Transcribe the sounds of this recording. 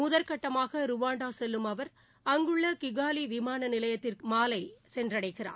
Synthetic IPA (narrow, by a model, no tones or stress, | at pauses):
mʊðɐɾkɐʈːɐmaːɣɐɾʊʋaːɳɖaːsɛlːɯmɐʋɐɾ | ɐŋɡɯɭːɐkɪɣaːliʋɪmaːnɐnɪlɐjɐt̪ːɪrkɯmaːlɐɪsɛndrɐɽɐɪɣɪra̰ː